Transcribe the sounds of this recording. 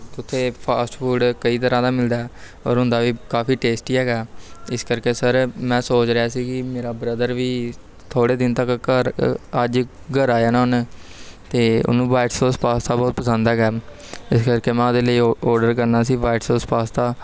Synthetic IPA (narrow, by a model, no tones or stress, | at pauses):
t̪ʊt̪ʰːeːpʰaːsʈpʰuːɖkəiːt̪əɾãːt̪aːmɪld̪aːɛ | ɔ̰ːɾɦʊ̃nd̪aːʋiːkaːpʰiːʈeːsʈiːɦɛːɡaːɪskəɾkeːsəɾmɛ̃ːsoːt͡ʃɾɪaːsiːkɪmeːɾaːbɾəd̪əɾʋiː | t̪ʰoːɽeːd̪ɪnt̪əkəɾəd͡ʒ | ɡəɾaːjaːnaːɦʊn | t̪eːʊ̰nũːbaːɪʈsoːspaːst̪aːbɔːt̪̚pəsə̃nd̪ɛːɡɛː | ɪskəɾkeːmɛ̃ːʊd̪eːləiːɔːɾɖəɾkəɾnaːsiːbaːɪʈsoːspaːst̪aː